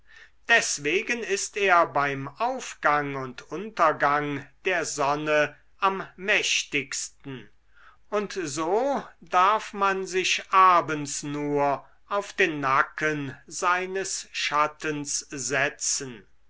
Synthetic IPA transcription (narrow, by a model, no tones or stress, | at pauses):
d̥ɛsv̥eːɡənɪsteːɐbaɪmaʊfɡ̥aŋʊntʰʊntɐɡaŋd̥eːɐzɔnə | ʔamːɛʃtɪkstn̩ | ʊntzoːdaɐfmanzɪʃʔaːbənsnuːɐ | ʔaʊfd̥eːnːakʰənzaɪnəsʃatənszɛt͡sən